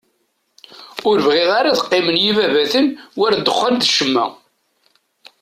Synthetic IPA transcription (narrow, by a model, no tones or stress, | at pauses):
ʊɾəvʁiʁaɾaðə̥qːɪmənjivævæθənwæɾd̪ːəχːald̪ʃəmːæ̰